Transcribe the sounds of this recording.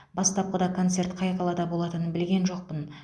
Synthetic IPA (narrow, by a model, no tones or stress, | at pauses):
bɑst̪ɑp̚qəd̪ɑkʰo̞nt̪se̞rt̪qʰɑjqʰɑlˠɑd̪ɑbo̞lˠɑt̪ənənbɪlɡʲe̞nʒo̞q̚pən